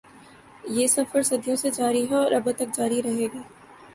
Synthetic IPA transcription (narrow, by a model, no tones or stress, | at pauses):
jeːsɐfəɾsɐd̪ʱijõsed͡ʒaːɾiɦɛɔɾʔɐbət̪ɐk̚d͡ʒaːɾiɾɐɦeːɡaː